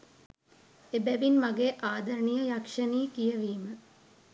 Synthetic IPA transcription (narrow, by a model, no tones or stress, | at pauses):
ebæʋinmaɡeːʔaːd̪ɐɾɳijəjakʂɐniːkijəʋiːmə